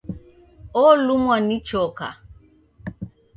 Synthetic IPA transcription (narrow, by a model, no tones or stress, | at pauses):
ɔlumwanit͡ʃɔka̰